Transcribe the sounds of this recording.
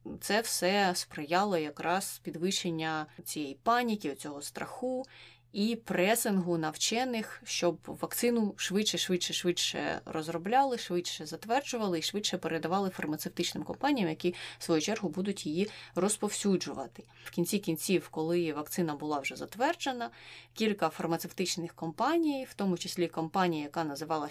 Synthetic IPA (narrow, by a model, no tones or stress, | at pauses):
t̪sɛwsɛspɾɪjɑlˠɔjɐkɾɑspʲid̪ʋɪʃenʲːɐt͡sʲijɛjipɑnʲikʲiɔt͡sʲɔɦɔst̪ɾɐxu | ipɾɛsɪnɦʊnɐwt͡ʃɛnɪxʃt͡ʃɔbʋɐkt̪sɪnʊʃʋɪtt͡ʃɛʃʋɪtʃɛʃʋɪʃɛ̰rɔzrɔblʲɑlˠɪʃʋɪt͡ʃʃɛzɐt̪ʋɛrd͡ʒʊʋɐlˠɪiʃʋɪtʃɛpeɾed̪ɐʋɑlˠɪfɐrmɐt̪sewt̪ɪt͡ʃnɪmkɔmpɑnʲijɐmjɐkʲi̥sʋɔjut͡ʃɛrɦʊbud̪ʊtʲjijirɔspɔwsʲud͡ʒʊʋɐ̰t̪ɪ̥ | wkʲinʲt͡sʲikʲinʲt͡sʲiwkɔlˠɪʋɐk̚t̪sɪnɐbʊlˠɑwʒɛzɐt̪ʋɛrd͡ʒenɐkʲilʲkɐfɐrmɐt̪sewt̪ɪt͡ʃnɪxkɔmpɑnʲijwt̪ɔmʊt͡ʃɪsʲlʲikɔmpɑnʲijɐjɐkɑnɐzɪʋɑlˠɐ